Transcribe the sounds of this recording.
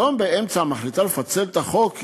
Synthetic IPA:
ombee̞mt͡samaχlit̪alefat͡se̞lt̪aχo̞k

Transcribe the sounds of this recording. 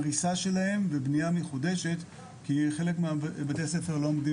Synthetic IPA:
ʁisaʃe̞lahe̞mvebniameχudeʃe̞t | kiχe̞lekmeabat̪easefeʁlomdi

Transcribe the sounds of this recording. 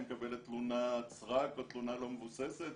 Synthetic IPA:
mekabelet̪lunat͡sʁakvet̪lunalo̞mevuseset̪

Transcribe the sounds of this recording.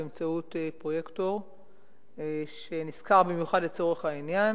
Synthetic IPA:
emt͡sautepʁojektoʁ | ʃeniskaʁbimjuχadlet͡so̞ʁeχhainjan

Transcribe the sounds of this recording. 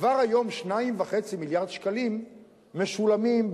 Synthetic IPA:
vaʁajo̞mʃnaimvaχe̞t͡similjaʁd̪ʃkalimː | eʃulamimb

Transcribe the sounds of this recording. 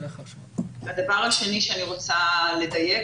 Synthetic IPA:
eχo | bad̪avaʁhaʃe̞niʃeaniʁo̞t͡sale̞daje̞

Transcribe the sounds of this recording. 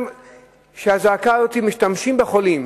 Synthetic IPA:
m | ʃeazaːkaɾot̪imiʃt̪amʃimbexolim

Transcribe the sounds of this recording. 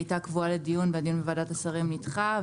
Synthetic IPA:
jtakvualedijunveadiunbevadatasaʁimnitχa

